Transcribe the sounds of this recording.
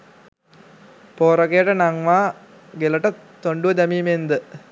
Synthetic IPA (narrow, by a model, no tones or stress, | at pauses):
poːɾɐkejəʈənaŋʋaː | ɡeləʈət̪oɳɖuʋəd̪æmiːmend̪ə